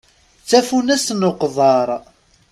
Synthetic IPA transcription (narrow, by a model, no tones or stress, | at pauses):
t͡sːæfunæsnoqðˤɑɾˤ